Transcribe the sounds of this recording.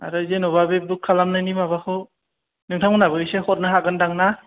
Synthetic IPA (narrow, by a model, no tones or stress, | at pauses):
a̰ɾɯzenɔβabep̚dukʰːalamnajnimaβakʰɯ | nɯŋtʰaŋɯnabɯsehɔt̚nɯɦaɡɯndaŋna